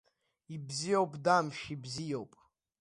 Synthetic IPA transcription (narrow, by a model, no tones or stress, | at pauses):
ibzijowpʼdamʃibzijowpʼ